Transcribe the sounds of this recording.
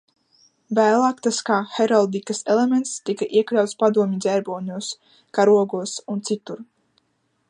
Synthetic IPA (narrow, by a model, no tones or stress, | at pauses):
væːlˠaːkt̪askaxeɾalˠd̪ikaselˠemʲent̪st̪ikaʔiɛklʲawt̪spad̪uɔmʲizʲɛɾbɔːɲʲuɔs | kaɾuɔɡuɔsunt̪sit̪uɾ